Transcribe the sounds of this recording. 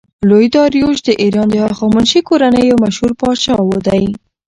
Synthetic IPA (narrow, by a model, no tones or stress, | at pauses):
lojd̪ɑɾjoʃd̪əʔiɾɑnd̪əhɑxɑmunʃikoɾanəjawmaʃhuɾpɑt͡ʃɑwod̪aj